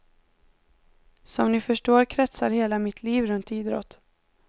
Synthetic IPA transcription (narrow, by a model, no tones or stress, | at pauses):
sɔmnɪfœʂʈoːɾkʰɾɛt̪saɾheːlamɪt̪ʰliːvɾɵnt̪iːd̪ɾɔ̰t̪